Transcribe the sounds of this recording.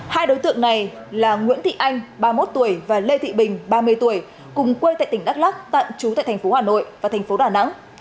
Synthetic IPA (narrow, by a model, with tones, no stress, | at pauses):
haː˧jɗo˨˦jt̪ɨ̰˧˨əŋna˨˩jlaː˨˩ŋwḭ˧˥ənt̪ʰḭ˧˨ʔa˧jŋ̟ɓaː˧mo˦˥t̚t̪u˧˩əjvaː˨˩le˧t̪ḭ˧˨ɓï˨˩ŋ̟ɓaː˧mɨ˧əjt̪u˧˩əj | kʊ˨˩ŋ͡mkwe˧jt̪a̰ː˧˨jt̪ï˧˩ŋɗa˦˥k̚laː˦˥k̚t̪a̰ː˧˨nt͡ɕu˨˦ta̰ː˧˨t̪ʰa˨˩fo˨˦haː˨˩no̰˧˨jvaː˨˩t̪ʰŋ̟fo˨˦ɗaː˨˩na̰˧˥ŋ